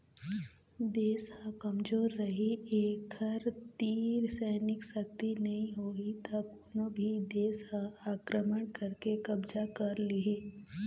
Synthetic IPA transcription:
d̪eːshãkɐmd͡ʒoːɾːɐɦieːkʰɐɾt̪iːɾsɛːnɪksək̚t̪inɐɦĩɦoːit̪akoːnobʱid̪eːshaaːkɾəməɳkɐɾkekɐbd͡ʒakɐɾliɦi

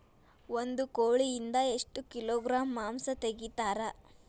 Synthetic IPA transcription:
ond̪ukoːɭijind̪ɐe̞ʂʈukiloːɡɾaːmːaːmsɐt̪eɡit̪aːɾɐ

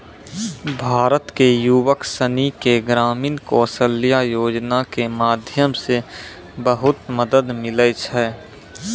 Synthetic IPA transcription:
bʱaːɾət̪kejuwəksənikeɡɾaːmiːnkɔːsəlːijajoːd͡ʒnakemaːd̪ʱjəmse | bəɦʊt̪məd̪əd̪mɪlət͡ʃʰɛː

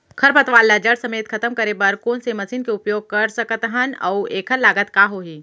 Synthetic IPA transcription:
kʰɐɾpɐt̪ʋaːlːad͡ʒɐɽsɐmeːt̪kʰɐt̪əmkɐɾebɐɾkoːnsemɐsiːnkeʊpjoːɡ̚kɐɾsɐkət̪ɦənɐ̰weːkʰəɾlːaːɡət̪kaːɦoːɦiː

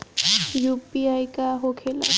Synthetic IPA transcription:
jupiajkaɦokʰela̰

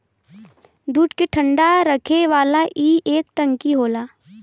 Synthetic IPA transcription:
d̪uːʈkeʈʰə̃ɳɖaɾəkʰeʋaːlaʔiːʔeːk̚ʈə̃ŋkiɦoːlaː

